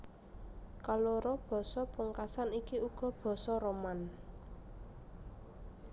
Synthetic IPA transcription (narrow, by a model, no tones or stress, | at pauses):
kaloɾɔb̥ɔ̤sɔpuŋkasanikiuɡ̥ɔ̤b̥ɔ̤sɔɾoman